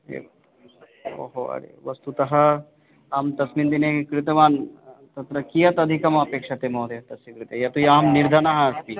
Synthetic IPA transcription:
ḛː | ʋɐ̰ɦoɐ̰ɾḛːʋɐst̪ut̪ɐɦɐ | aːmt̪ɐsmint̪inekkɾɪt̪ɐʋaːnt̪ɐt̪ɾɐkijɐt̪ɐd̪ʱikɐmɐpeːkʂɐt̪emoːd̪ʱeɦɐt̪ɐsikɾɪt̪ejɐt̪ujaːmniɾd̪ʱɐnɐɦɐɐspi

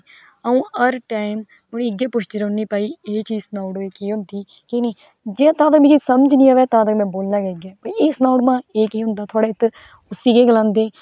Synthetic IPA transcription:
əũːəɾʈaːɪm | ʊniːɪɡeːpʊt͡ʃʰd͡ʒ̪ɾõːnːiːpaːiːeːt͡ʃiːsnaːʊɽeːkiːɦʊnd̪iː | kiːneː | d͡ʒeːãːt̪ãːt̪əkmĩːkisəməd͡ʒnĩːaːʋɛːt̪ãːt̪əkmɛ̃ːboːlnaːɡɛːɡɛːpəeːsnaːɽmãːeːkiːɦʊ̃nd̪aːt̪ʰʊaːɽeːt̪ | ʊsiːkeːɡəlãːnd̪eː

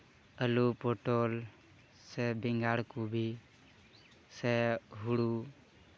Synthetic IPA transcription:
əlupoʈoːl | sebɪŋɡaːɽkubʱi | seɦuɽu

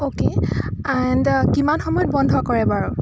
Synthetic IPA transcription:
okeandkimanxɔmɔjɔt̚bɔndʱɔkɔɹɛbaɹɔ

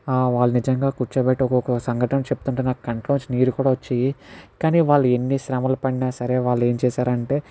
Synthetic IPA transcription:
aːʋaːɭːɐnid͡ʒɐŋɡaːkut͡ʃɐbeʈːiɔkɔkɐsɐŋɡʱɐʈɐnɐt͡ʃebut̪uɳʈenaːku̥kɐɳʈloːt͡ʃiniːɾukuːɽaːʋot͡ʃːijikaːniːʋaːɭːue̞nːiʃɾɐmɐlɐpɐɽinaːsɐɾe̞ːʋaːɭːe̞ːɲt͡ʃɛːsaːɾɐɳʈe̞ː

